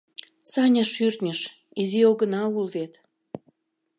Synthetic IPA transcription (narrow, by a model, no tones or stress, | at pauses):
sɑnʲəʃyrt̪nʲəʃ | izioɣə̆nɑulβet̪